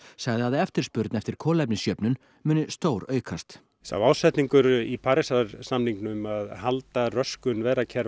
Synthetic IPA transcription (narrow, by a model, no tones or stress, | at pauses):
saɣðɪaðɪɛft̪ɪɾ̥spʏɾt̪nɛft̪ɪɾ̥kʰɔːlɛpnɪsjœpnʏn | mʏːnʏst̪oːwɾœːɥkʰast̪ | sa̰vaːwsɛht̪niŋkʏɾipʰaɾɪsaɾsamniŋknʏmaðhalt̪arœskʏnvɛːɾacʰɛɾ